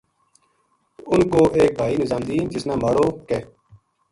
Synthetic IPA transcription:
ʊnkoːʔeːk̚bʱaːiːnɪzaːmd̪iːnd͡ʒɪsnãːmaːɽoːkeː

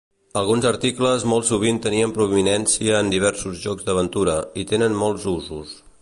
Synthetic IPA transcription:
əlˠɣunzəɾt̪ikləzmɔlˠsuβint̪əniəmpɾuiminɛnsiəːnd̪iβ̞ɛɾsuzʒɔkzd̪əβ̞ənt̪uɾəit̪enənmɔlˠzuzus

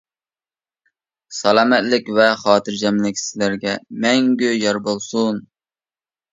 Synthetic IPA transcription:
sɑlˠɑːmɛt̪lɪkʲvɛχɑːt̪ʰɨɾd͡ʒɛmlɪkʲʰslæɾɡʲɛmɛŋɡʲyjɑɾbolˠsun

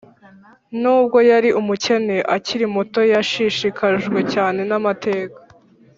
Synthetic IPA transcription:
nuːb̚ɡo̞jaɾiʔumuce̞ne̞ʔaciɾimoto̞jaʃiʃikʰaʒɡwe̞caːne̞namate̞ːkḁ

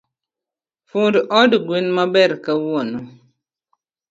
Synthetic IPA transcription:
fudʔɔdiɡwinmabɛɾkawɔnɔ

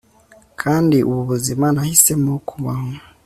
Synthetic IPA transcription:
kʰaːndiʔṵβuβuzimanahisemokʰuβaho

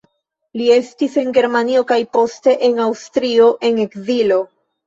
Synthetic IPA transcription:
lie̞stise̞ŋɡe̞ɾmanio̞kajpo̞ste̞ʔe̞ŋawstɾio̞ʔe̞ŋe̞kzilo̞

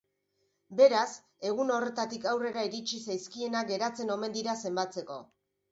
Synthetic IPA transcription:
be̞ɾas | e̞ɣ̞uno̞re̞t̪at̪ikawre̞ɾaiɾit͡ʃisajskie̞naɡe̞ɾat͡se̞no̞me̞nd̪iɾase̞mbat͡se̞ko̞̰

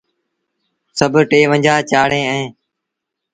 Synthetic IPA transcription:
səbʱʈeːʋə̃ɲd͡ʒaːt͡ʃaːɽ̤ẽːɛ̃ː

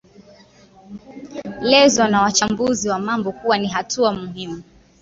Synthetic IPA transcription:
lɛzɔnawat͡ʃambuziwamambɔkuwaniɦatʰuamuɦimu

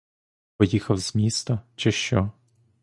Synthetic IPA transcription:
pɔjixɐwzʲmʲist̪ɐt͡ʃɪʃt͡ʃɔ

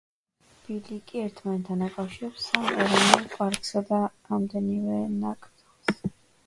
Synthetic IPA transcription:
b̥ilikʼiɛɾt̪ʰmanɛt̪ʰːanakʼafʃiɾɛpsamɛɾɔnɛlˠpʼaɾkʼsad̪aɾamd̪ɛnivɛnakʼt̪lˠs

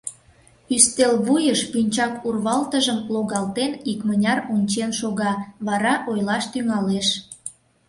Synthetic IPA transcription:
yst̪elβujəʃpynʲt͡ɕɑkurβɑlt̪əʒəmloɣɑlt̪enikmənʲɑrunʲt͡ɕenʃoɣɑβɑɾɑʔojlɑʃt̪yŋɑleʃ

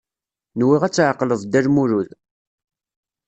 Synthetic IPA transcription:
nwiʁæt͡sːʕqːləðˤd̪ælmuɾuð

